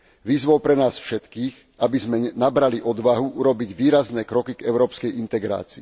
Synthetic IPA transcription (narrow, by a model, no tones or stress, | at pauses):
ʋiːzʋɔʊpɾɛnaːsfʃɛt̪kiːx | abizmɛnabɾaliʔɔd̪ʋaɦuʔuɾɔbiɟʋiːɾaznɛːkɾɔkiɡɛʊɾɔːpskɛjʔint̪ɛɡɾa̰ːt͡siː